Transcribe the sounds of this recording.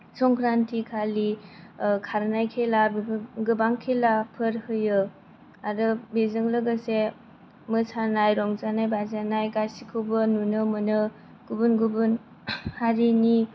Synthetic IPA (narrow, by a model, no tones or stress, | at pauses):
sɔŋkʰɾantʰikʰali | kʰaɾnajkʰelabɡɯbaŋkʰelapʰɯɾhɯjɯ | adɯbezɯŋlɯɡase | mɯsanajɾɔŋzanajbazanajɡasikʰɯwbɯnunɯmɯnɯ | ɡ̥ubunɡubun | haɾini